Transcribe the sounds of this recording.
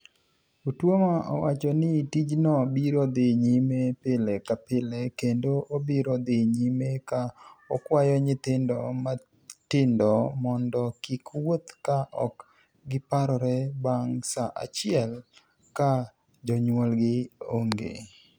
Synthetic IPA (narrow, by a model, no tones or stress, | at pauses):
utwomaʔɔ̰wat͡ʃɔnɪtid͡ʒnɔbiɾɔd̪eɲimepɪlɛkapɪlɛkendoʔobiɾɔd̪eɲimekaɔkwajɔɲɪt̪ɪndɔma | tɪndɔmɔndɔkikwot̪kaʔɔk | ɡɪpaɾɔɾɛbaŋsaʔa̰t͡ʃɪɛl | ka | d͡ʒɔɲwɔlɡɪoŋɡḛ